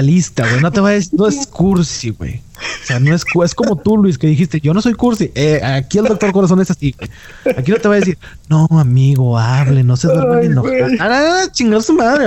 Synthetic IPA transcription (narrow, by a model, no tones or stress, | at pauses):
alist̪aɣwe̞jno̞t̪e̞βaðesiɾnoeskuɾsiɣwḛj | oseano̞eskue̞sko̞mo̞t̪ulwis̬ke̞ðixist̪eʝo̞no̞so̞jkuɾsiʔeaakield̪okt̪oɾkoɾas̬o̞ne̞sasiwej | akino̞t̪eβaðes̬iɾ | noamiɣo̞aβlenosezβeɾaðenoananaaat͡ʃiŋɡaɾsumaðɾe